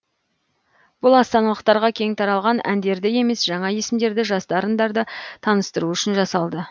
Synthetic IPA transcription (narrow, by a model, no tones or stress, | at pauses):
b̥ʊlˠɑst̪ɑnɑlˠəq̚t̪ɑɾʁɑkʲʰe̞ŋt̪ʰɑɾɑlˠʁɑnæ̰nd̪e̞ɾd̪ɪje̞me̞sʒɑɴɑje̞sɪmd̪e̞ɾd̪ɪʒɑst̪ɑɾənd̪ɑɾd̪ət̪ʰɑnəst̪əɾuʏʃɪnʒɑsɑlˠd̪ə